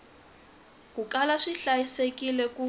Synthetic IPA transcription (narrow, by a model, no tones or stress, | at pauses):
kukalaʂiɬajisekilɛku